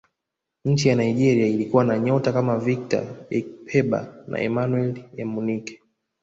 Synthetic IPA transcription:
ɲ̩t͡ʃijanaiʄɛɾiailikuwanaɲɔtakamavik̚ta̰ɛk̚pʰɛɓa̰na̰ʔɛmanwɛlɛmunikɛ̥

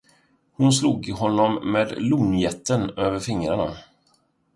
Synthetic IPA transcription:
hʊnsluːɡɪɦɔnːɔmːeːd̪luːnjɛt̪ʰːənøːvəɾfɪŋɾaɳa̰

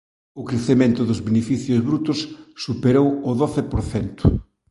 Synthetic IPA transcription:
ʊkɾeθemẽnt̪ʊðʊzβenefiθjʊzβɾut̪ʊsːupeɾowʊðoθepoɾθɛnt̪ʊ

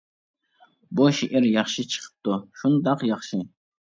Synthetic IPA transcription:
boʃiʔiɾjɑχʃit͡ʃʰə̥χp̚t̪ʊʃund̪ɑqjɑχʃi

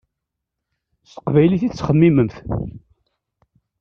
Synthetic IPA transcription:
st̪ə̥qvæjliθit͡sːχəmːiməmθ

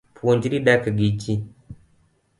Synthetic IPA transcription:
pʰuɲd͡ʒiɾiɗakaɡit͡ʃi

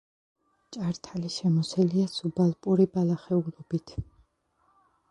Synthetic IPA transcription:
t͡ʃʼaɾt̪ʰaliʃɛmɔsɛliasubalˠpʼuɾibalaχɛulɔbit̪ʰ

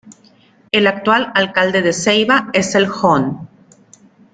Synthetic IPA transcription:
elak̚t̪walalkald̪eðe̞sejβae̞selxon

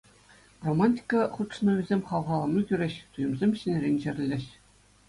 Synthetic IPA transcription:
romɑnʲtʲi̥kɑχut̪ʂnɤ̆yzʲemʲχɑlˠʁɑlˠɑ̆nɤkʲyɾʲeɕt̪ujɤ̆mzʲemʲɕɘ̆nʲɘ̆rʲenʲɕɘ̆rʲɘ̆lʲːɘ̆ɕ

